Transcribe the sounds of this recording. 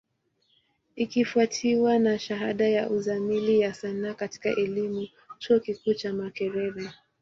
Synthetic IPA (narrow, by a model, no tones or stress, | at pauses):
ikifuatʰiwanaʃaɦaɗajaʔuzamilijasanaːkati̥ka̰ʔɛlimu | t͡ʃuɔkikuːt͡ʃamakɛɾɛɾɛ